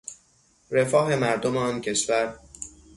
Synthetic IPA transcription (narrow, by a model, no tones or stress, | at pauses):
ɾe̞fɒːɦe̞mæɾd̪omeɒːncʰe̞ʃvæɾ